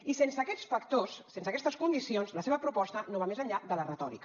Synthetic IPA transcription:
isensəːkɛt͡sfəkt̪osːensəkɛst̪əskund̪isionzləseβəpɾupɔst̪ənoβamezəɲʎad̪ələrət̪ɔɾḭk

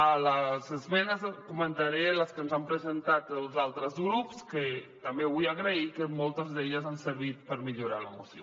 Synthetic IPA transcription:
ələzəzmɛnəzkumənt̪aɾeləskənzampɾəzənt̪at̪əlˠzalˠt̪ɾəzɣɾupskət̪ambeβujaɣɾəikəmɔlˠt̪əzðeʎəzansəɾβit̪pəɾmiʎuɾaləmusio

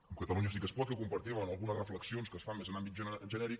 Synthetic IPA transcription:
əmkət̪əluɲəsikəspɔt̪̚kəkumpəɾt̪imənəlˠɣunəzrəfləksionskəsfamːezənambit̪̚ʒəʒənɛɾik

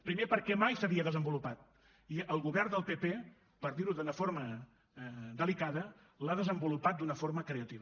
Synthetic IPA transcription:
pɾimepəɾkɛmajsəβiəðəzəmbulupat̪̚ | iəlˠɣuβɛrnd̪əlˠpepe | pəɾðiɾuðunəfoɾmə | d̪əlikaðə | laðəzəmbulupat̪̚d̪unəfoɾməkɾeət̪iβə

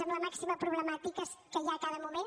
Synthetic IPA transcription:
əmləmaksiməpɾuβləmat̪ikəskəjakaðəmumen

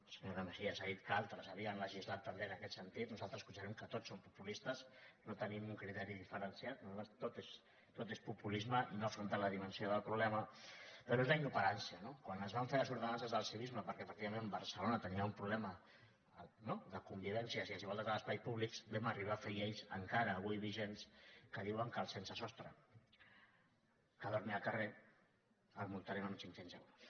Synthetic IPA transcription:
səɲoðəməʃiəsait̪kalˠt̪ɾəsəβiənləʒizlat̪ːəmbeənəkɛt̪sənt̪it̪nuzalˠt̪ɾəskut͡ʃaɾɛmkət̪ott͡ssːompupulist̪əznot̪ənimuŋkɾit̪ɛɾiðifəɾənsjat̪̚nuzalt̪ɾəst̪ot̪es | t̪ot̪espupulizməʔinoɐfɾunt̪aləðimənsioðəlˠpɾuβlɛmɐpəɾoezləinupəɾansiənokwanəzβaɱfeɾəzuɾðənanzəzðəlˠsiβizməpəɾkɛfək̚t̪iβamẽnmbəɾsəlonət̪əniaumpɾuβlɛmə | noðəkumbiβ̞ɛnsjəsiaziβɔlˠt̪at̪aləspajpuβlikbemariβ̞afeieʎsə̰ŋkaɾəːβujβiʒenskəðiwəŋkəlˠsensəsɔst̪ɾə̰ | kəðoɾnialˠkəre | əlˠmult̪aɾenunsintenzaɾa

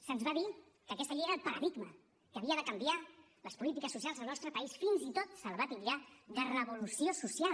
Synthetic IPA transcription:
sənzβaði | kəːkɛst̪əʎeeɾəːlˠpəɾə̰ðiɡmə̰ | kəːβiəðəkəmbija | ləspulit̪ikəsːusijalˠzðəlˠnɔst̪ɾəpəisfinzit̪ot̪səlβat̪ilʎad̪ərəβulusiosusial

